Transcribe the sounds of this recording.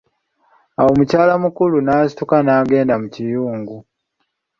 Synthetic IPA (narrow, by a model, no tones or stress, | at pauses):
awo̞mucaːlamukulunaːsitukanaːɡe̞ːndamucijuːŋɡu